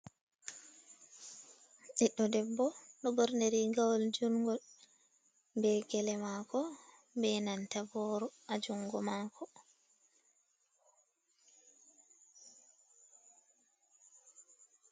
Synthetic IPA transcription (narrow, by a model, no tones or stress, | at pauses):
ɗiɗːɔdɛbːɔnɔbɔɾneɾiɡawɔld͡ʒuŋɡɔ | mbɛɡɛlɛmakɔ | bɛnantabɔɾɔad͡ʒuŋɡɔmakʰɔ